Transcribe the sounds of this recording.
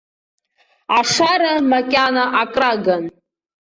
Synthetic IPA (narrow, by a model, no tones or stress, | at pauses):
aʂaɾamakʲʼanaʔakʼraɡan